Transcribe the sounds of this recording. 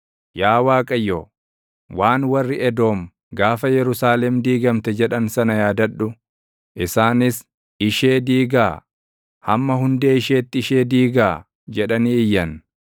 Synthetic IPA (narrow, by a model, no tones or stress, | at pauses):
jaːwaːkʼɐjːoː | waːnwɐrːɪɛd̪o̞ːm | ɡaːfɐjɛɾʊsaːlɛmd̪iːɡɐmt̪ɛd͡ʒɛᶑɐnsɐnɐjaːd̪ɐᶑʊ | ʔɪsaːnɪs | ɪʃe̞ːd̪iːɡaː | hɐmːɐɦʊnd̪e̞ːɪʃe̞ːt̪ːɪɪʃe̞ːd̪iːɡaː | d͡ʒɛᶑɐniːɪjːɐn